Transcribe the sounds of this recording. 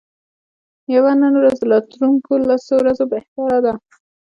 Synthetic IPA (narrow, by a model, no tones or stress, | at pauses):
jawanənoɾazlɑt̪ɾuŋkolasowɾazobeht̪aɾad̪a